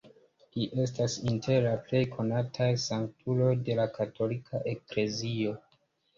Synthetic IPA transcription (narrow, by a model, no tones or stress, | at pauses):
liʔe̞stasintʰe̞ɾlaple̞jkʰo̞natʰajsaŋk̚tʰulo̞jde̞lakatʰo̞likʰaʔe̞kle̞zio̞